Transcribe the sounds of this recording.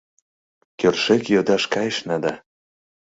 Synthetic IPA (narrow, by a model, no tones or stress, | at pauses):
kørʃekjod̪ɑʃkɑjeʃnɑd̪ɑ